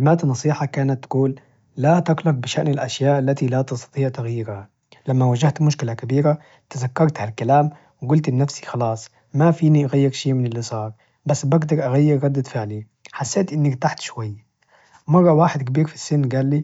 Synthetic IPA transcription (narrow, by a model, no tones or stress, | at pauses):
maːt̪nɑsˤiːħɑkaːnat̪ːɡuːlː | at̪aqlɑq̚bɪʃaʔnɪlʔaʃjaːʔalːat̪ilat̪ɪst̪ɑ̥t̪ˤiːʕt̪ɪɣajːɪɾha | lamːawaʒaht̪mʊʃkɪlakabiːɾa | t̪azakːɑɾˤt̪halkalaːm | wɪɡʊlt̪ʔɪnːafsi̥xɑlɑːsˤ | mafiːniʔaɣajːɪɾʃiːmɪnɪlːisˤɑːɾˤ | basːbaɡd̪ɑɾˤʔaɣajːɪɾːɑd̪ːɪd̪fɪʕli | ħasːeːt̪ʔɪnːakt̪aħt̪ʃwajː | mɑrˤːɑwaːħɪd̪kabiːɾfisːɪnːɡaːlːiː